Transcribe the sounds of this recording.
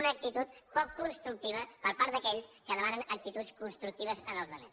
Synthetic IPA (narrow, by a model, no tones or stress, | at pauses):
nəːk̚t̪it̪ut̪pɔkːunst̪ɾuk̚t̪iβ̞əpəɾpaɾt̪d̪əkɛʎskəðəmanənək̚t̪it̪ut͡sskunst̪ɾuk̚t̪iβ̞əzənəlˠzðəmḛs